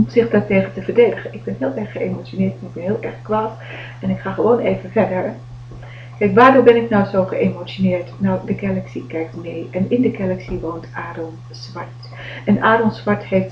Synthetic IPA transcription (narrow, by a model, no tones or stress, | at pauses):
z̥ɪχdɑtejχəntəvəɹdejdəχəʔɪɡ̚bɛnɦɪːlˠʔɛɹχχəemot͡ʃonɪːɹtɛnɪɡ̚bɛnɦɪːlˠʔɛɹχkʋaːt | ɛnɪkχaːχəʋownejvəvɛɹdəɹ | kɛjkʋaːɹdobɛnɪknɔwzowχəʔemowt͡ʃonɪːɹtnɔwdəkɛlɛksikɛjk̚tmejʔɛnɪndəkɛlɛksiʋowntʔaːdəlˠ | sʋɑɹt | ɛnʔaːdəlˠsʋɑɹtɦejft